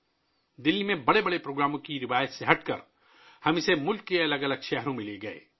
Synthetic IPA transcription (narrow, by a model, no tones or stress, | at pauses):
d̪ɪlːimẽbəɽebəɽepɾoːɡɾaːmõkiɾɪʋajət̪seɦəʈkə̰ɾ | həmisemʊlkːeɐləɡələɡʃɛɦɾũmilieɡəḛ